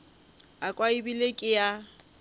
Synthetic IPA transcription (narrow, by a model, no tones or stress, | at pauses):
akʼwaibilekʼɪja